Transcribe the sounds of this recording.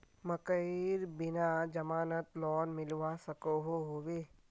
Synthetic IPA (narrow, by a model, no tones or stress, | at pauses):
məkəɪɾbɪnad͡ʒɐmaːnət̪lɔːnmɪlwasəkoɦoɦoweː